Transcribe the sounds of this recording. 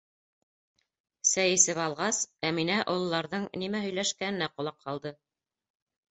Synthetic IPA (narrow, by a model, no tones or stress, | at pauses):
sæjɘsɘβɑlˠʁɑsæminæʔŏlˠɤ̆lːˠɑɾðɤɴnimæɦɵ̆jlæʃkænɘ̆næqŏlˠɑqʰːɑlˠd̪ɤ